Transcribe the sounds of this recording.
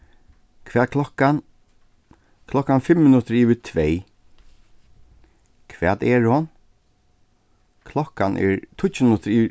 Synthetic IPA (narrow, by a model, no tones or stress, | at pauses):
kʰv̥ɛːt̪̚kʰlɔhkan | kʰlɔhkanfɪmːɪnʊt̪əɾiːʋɪt̪ʰvɛj | kʰʋɛːt̪ɛɹhɔn | kʰlɔkanʔɛ̰ɹt̪ʰʊmɪnʊt̪əɾiː